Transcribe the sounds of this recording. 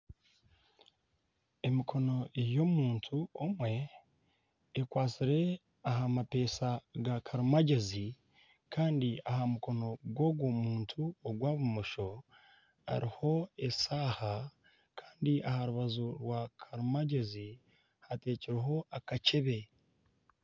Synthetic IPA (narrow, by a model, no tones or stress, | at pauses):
e̞mikʰo̞no̞ejo̞muːntʰuomwe̞ | kwaːt͡siɾe̞ | aɦamape̞ːsaɡakʰaɾumaɟezi | kaːndiahamuko̞no̞ɡwo̞ɡwomuːntʰuoɡwaːβumoʃo̞ | a̰ɾiho̞esaːha | kʰḁːndiʔahaɾuβazuɾwakʰaɾumaɟe̞zi | hate̞ːciɾeɦo̞akace̞βe̞